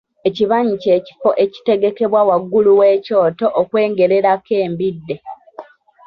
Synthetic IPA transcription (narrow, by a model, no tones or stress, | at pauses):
eciβaɲice̞ːci̥fo̞ʔe̞ci̥te̞ɡe̞ke̞βwawaɡːuluweːco̞ːto̞ʔːkwe̞ːŋɡe̞ɾe̞ɾake̞ːmbidːe